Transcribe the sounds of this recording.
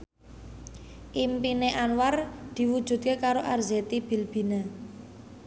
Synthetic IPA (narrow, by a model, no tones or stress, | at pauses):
ʔimpineʔanward̪̥i̤wud̥ʒ̥ṳd̪̚kekaɾoʔarzet̪ib̥i̤lb̥i̤na